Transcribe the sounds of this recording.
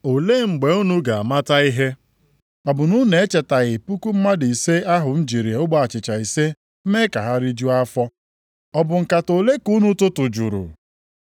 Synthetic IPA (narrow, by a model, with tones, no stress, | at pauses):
o˨le˦˨ŋ͡m̩˨ɡ͡be˨u˦nu˦ɡa˨a˨ma˦ta˦i˦ɦe˦ | ɔ˨bʊ˨nu˦ne˨e˦t͡ʃe˨ta˨ɣɪ˨pu˦ku˦m̩˦ma˦di˨i˨se˦a˦ɦʊ˨n̩˦d͡ʒi˨ɾi˨e˨˦ʊ˦ɡ͡ba˦a˨t͡ʃɪ˨t͡ʃa˨i˨se˦ | m̩˦me˦ka˨ɦa˦ɾi˦d͡ʒu˦a˦fɔ˦ | ɔ˦˨bʊ˨ŋ̩˨ka˨to˨le˦ku˦nu˦tʊ˦tʊ˨d͡ʒṵ˨ɾʊ̰˨